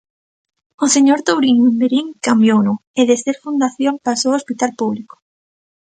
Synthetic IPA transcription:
oseɲoɾt̪owɾiŋwund̪eɾiŋkambjonueðeseɾfund̪aθjompasoospit̪alpuβliko̥

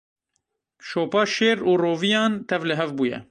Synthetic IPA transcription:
ʃoːpɑːʃeːɾuːroːvijɑːnt̪ʰɛvlɨɦɛvbuːjɛ̰

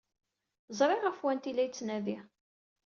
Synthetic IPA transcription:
zˤɾˤɪʁəfwænt̪ilæjt͡sːnævi

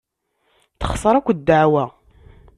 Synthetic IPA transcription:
θə̥χsˤəɾˤækʷːd̪ːaʕwæ

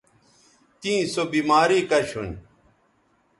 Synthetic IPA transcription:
t̪ĩːsobiːmaːɾiːkɐɕʰun

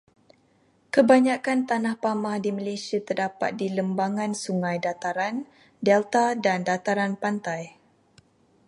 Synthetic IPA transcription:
kəbaɲãkant̪anahpamahdiməlesiat̪ərdapa̰t̪̚diləmbaŋãnsuŋãjdat̪aɾan | dɛlt̪adandat̪aɾanpant̪aj

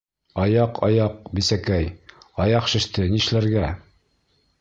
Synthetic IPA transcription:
ɑjɑqʰɑ̰jɑq̚bisækæjɑjɑqʃɘ̆ʃt̪ɘniʃlæɾɡæ

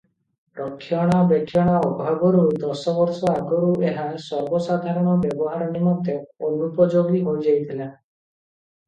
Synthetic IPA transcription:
pɾɔkʰːjɔɽ̃abekʰːjɔɽ̃aɔbʱaɡɔɾɔɾud̪ɔsɔbɔɾsɔaɡɔɾuʔeɦasɔɾbɔsad̪ʱaɾɔɽ̃ɔbjɔbɔɦaɾɔnimɔd̪eonupɔd͡ʒoɡiɦoid͡ʒajt̪ʰile

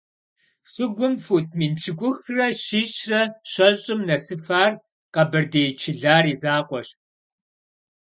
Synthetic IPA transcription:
sʊɡʷʊmfuːt̚ʰmiːnt͡ʃʰɪkʷʊxrɐɕiːɕrɐɕɐɕʼɪmnɐsɨfaːr | qɐbɨrdeːt͡ʃʰɪɮaːriːzaːqʷɔɕ

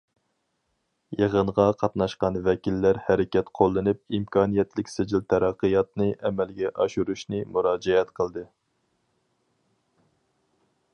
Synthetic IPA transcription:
jeʁəɴʁɑqʰɑt̪nɑʃqɑnvɛkʲilːæɾhæɾɪkʲɛt̪qʰolˠːɨnɨp̚imkʰɑːnijɛt̪lɪkʲsɪd͡ʒilt̪ʰɛɾɑqːɨjɑt̪̚nɨʔɛmɛlɡʲɛʔɑʃuɾuʃnɨmuɾɑːd͡ʒɛɛt̪qʰəlˠd̪ɨ

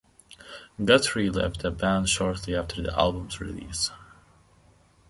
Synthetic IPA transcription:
ɡʌtʰɹilɛ̰vdəbæ̃nʃɔɹtʰˡliæftʰə˞ðḭʔæ̰lˠbə̃mzɹḭlḭs

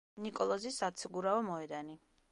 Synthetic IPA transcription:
nikʼɔlˠɔzisat̪sʰɡuɾaɔmɔɛd̪ani

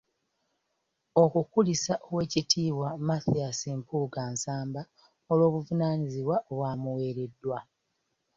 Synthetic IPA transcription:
o̞kukulisaʔowe̞ːcitʰiːwamaθiasimpʰuɡaːnsaːmba | olwo̞ːβuvunaɲiziwaʔoβwaːmuwe̞ːɾe̞dːwa

